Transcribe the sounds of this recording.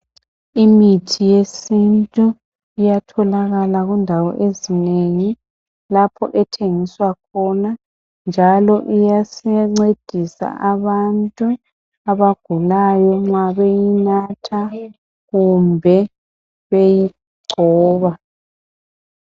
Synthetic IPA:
imitʰijesintʼu | ijatʰɔlaɣalaɣundʱawɔ̰ʔezineŋi | lapʰɔ̰ʔɛtʰeŋiswakʰɔna | nd͡ʒʱalɔʔijasɛŋ͡ǀed̥ʱisa̰ʔaβantʼu | aβaɡ̥ʱulajɔŋwaβejinatʰa | ɣumbʱɛ | βeji | ɡ͡ǀʱɔːβa

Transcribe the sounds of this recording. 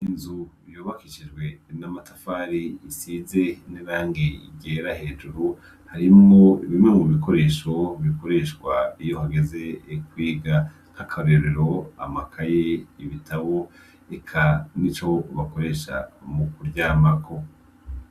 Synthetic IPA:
inzu | joːβakiʃid͡ʒɡwe̞ | namatafaːɾiːsize̞niβaːŋɡiɡɟeːɾahe̞ːd͡ʒuɾu | haɾimoiβimŋe̞muβiko̞ɾe̞ʃo̞βiko̞ɾe̞ːʃɡwaijo̞haɡe̞ze̞kwiːɡa | kakʰaβeɾeɾo̞a̰makʰajeiβitʰaβo̞ | ekʰanit͡ʃo̞βako̞ɾe̞ʃa̰mukuɾɟaːmakʰo̞

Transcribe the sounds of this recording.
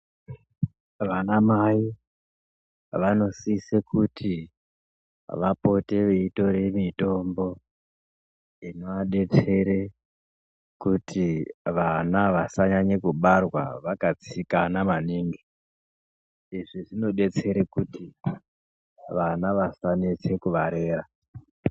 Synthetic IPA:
ʋanamai | ʋano̞sisekutʰi | ʋapo̞te̞ʋe̞ito̞ɾe̞mito̞mbo̞ | inoaɗe̞t͡se̞ɾe | kutʰiʋanaʋasaɲaɲekuɓarwa̰ʋakat͡sikanamaniːŋɡi | iʐiʐino̞ɗe̞t͡se̞ɾekuti | ʋanaʋasanet͡se̞kuʋaɾe̞ːra

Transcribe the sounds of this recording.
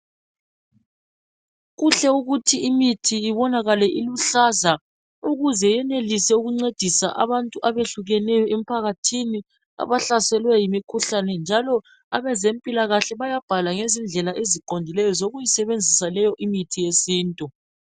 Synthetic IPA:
ɣuɬɛuɣutʰiimitʰiiβɔnaɣalɛʔiluɬaza | uɣuzɛjɛnelisɛuɣuŋ͡ǀed̥ʱisa̰ʔa̰βantʼuʔaβeɬuɣɛnɛjɔem̩pʰaɣatʰini | a̰βaɬasɛlwɛjimikʰuɬanɛnd͡ʒʱalɔ | aβɛzempʼilaɣaɬɛβajab̥ʱalaŋezind͡ɮʱɛlaʔeziǃondʱilɛjɔzoɣujisɛβend͡zʱisalɛjɔʔimitʰijesiːntʼu

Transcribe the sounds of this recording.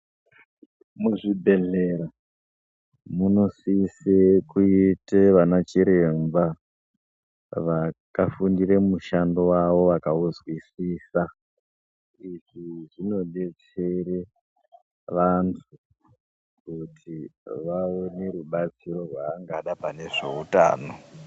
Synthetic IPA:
muʐibʱe̞ɮeɾa | muno̞sisekuiteʋanat͡ʃiɾe̞mba | ʋakafundiɾemuʃandowaʋo̞ʋakauzwisiːsa | iʐiʐino̞let͡sere | ʋantʰu | kutʰiʋaone̞ɾuɓat͡siɾo̞rwaːŋɡaɗapane̞ʐe̞̰uta̰ːno

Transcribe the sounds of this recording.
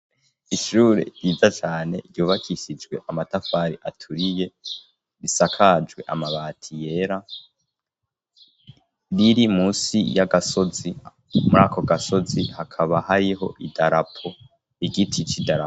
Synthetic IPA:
iʃuːɾḛɾjiːzat͡ʃaːneɾjuːβakʰiʃid͡ʒɡwe̞ʔamatafaɾiʔatʰuɾije̞ | ɾisakʰad͡ʒwe̞ʔamaβaːtʰije̞ɾa | ɾiɾimuːsḭjaɡaso̞zi | muɾako̞ɡaso̞zihakʰaβahaɾiɦo̞̰ʔidaɾapʰo̞ | iɡitʰit͡ʃidaɾa

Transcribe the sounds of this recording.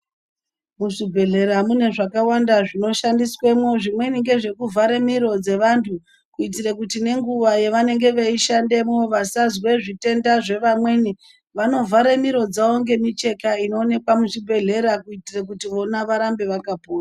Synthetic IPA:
muʐibʱe̞ɮe̞ɾamune̞ʐakawandaʐino̞ʃandiswe̞mwo̞ʐimwe̞niŋɡe̞ʐe̞kuvʱaɾemiɾo̞d͡ze̞ʋantʰu | kuit̬irekutine̞ŋɡuʋaje̞ʋane̞ŋɡe̞ʋeiʃande̞mo̞ʋasazwe̞ʐite̞ndaʐe̞ʋamwe̞ni | ʋano̞vʱaɾemiɾo̞d͡zaoŋɡe̞mit͡ʃe̞kaino̞ːne̞kwamut͡ʃibʱe̞ɮe̞ɾakuitirek̬utiʋo̞naʋaɾambe̞ʋakapoːra

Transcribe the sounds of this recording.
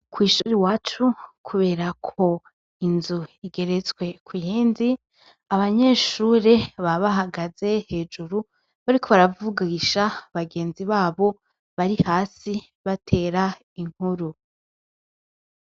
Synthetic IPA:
kʰwiːʃuɾewaːt͡ʃukʰuβe̞ːɾakʰo̞ | inzuiɡe̞ɾe̞t͡swe̞kwijiːnzi | aβaɲe̞ːʃuɾe̞βaβaɦaɡaze̞he̞ːd͡ʒuɾu | βaɾikʰo̞βaɾavuɡaiʃaβaɡe̞ːnziβaːβo̞ | βaɾihaːsi | βatʰe̞ːɾa | iŋ̥huɾu

